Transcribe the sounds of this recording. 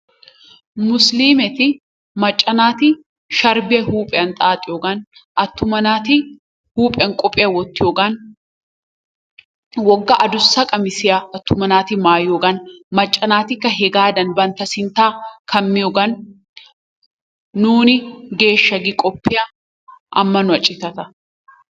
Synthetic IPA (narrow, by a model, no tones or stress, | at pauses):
mʊsliːmɛt̪ɪ | mɐt͡ʃʼːɐnaːt̪ɪ | ʃɐɾbɛɦuːpʼɛɐnt̪ʼaːt̪ʼːɪɔɡɐnʔɐt̪ːʊmɐnaːt̪ɪ | huːpʼɛɐŋkʼɔpʼːɪjɐwɔt̪ːɪjoɡɐn | wɔɡːɐʔɐd̪ʊsːɐkʼɐmɪsɪjɐɐt̪ːʊmɐnaːt̪ɪmaːjoɡɐnmɐt͡ʃʼːɐnaːt̪ɪkːɐɦɛɡaːd̪ɐnbɐnt̪ɐsɪnt̪aːkʰɐmːɪjɔɡɐn | uːnɪɡe̞ːʃːɐɡɪkʼɔpːɪjɐ | ʔɐmːɐnʊɐt͡ʃʼːɪt̪ɐt̪ɐ